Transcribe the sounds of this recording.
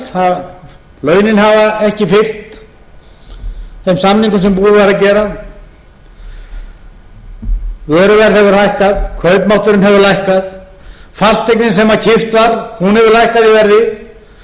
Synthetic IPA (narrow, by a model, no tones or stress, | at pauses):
θað | lœːɥnɪnɦavaɛhcɪfɪr̥t̪ | θemsamniŋkʏmsɛmpuːðʏvajɾacɛːɾa | vœːɾʏvɛɾðhɛvʏɾ̥hajhkaðkʰœɥpmawht̪ʏɾɪnɦɛvʏlajhkað | falst̪ːejknɪnsɛmacʰɪft̪vaɾ̥hunhɛvʏɾlajhkaðivɛɾðɪ